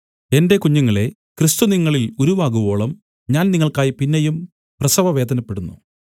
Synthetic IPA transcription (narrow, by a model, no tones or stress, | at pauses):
e̞nde̞kuɲːuŋːɐɭe̞ | krist̪uniŋːɐɭiluɾuʋaːɣubo̞ːɭɐm | ɲaːnniŋːɐɭkaːjipinːejum | prɐsɐʋɐʋe̞ːd̪ɐnɐpːe̞ɽunːṵ